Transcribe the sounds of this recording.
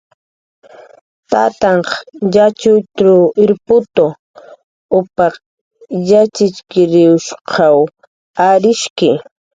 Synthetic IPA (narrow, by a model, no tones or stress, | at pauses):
t̪a̰t̪ɑɴqjat͡ʃʊt̪ɾʊɪɾpʊt̪o | ʊpɑχ | jat͡ʃɪt͡ʃkɪɾɪʊʃqʰɑw | aɾɪʃkɪ